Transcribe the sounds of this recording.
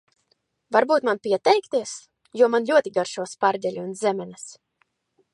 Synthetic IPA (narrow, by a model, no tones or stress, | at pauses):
vaɾbuːt̪manpʲiɛt̪ɛjkt̪iɛs | juɔmanlʲuɔt̪ʲiɡaɾʃuɔspaɾd̪ʲɛlʲiũnzʲɛmʲɛnɛs